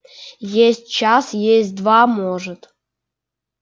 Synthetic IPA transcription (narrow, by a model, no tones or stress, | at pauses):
jesʲt̚ʲt͡ɕɑsjes̚ʲd̪vɑmoʐət̪